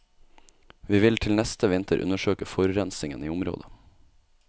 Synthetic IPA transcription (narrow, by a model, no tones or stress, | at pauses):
ʋiːʋɪlt̪ʰɪlnɛst̪ʰəʋɪnt̪ʰəɾʔʉ̰nəʃøːkəfɔɾɾɛnsɪŋəniːʊmɾo̰ːd̪ə